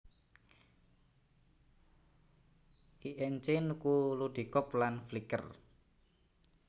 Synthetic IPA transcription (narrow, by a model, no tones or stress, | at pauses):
ʔiʔɛɲt͡ʃɪnkuluɖ̪̥i̤kɔplanflikə̰r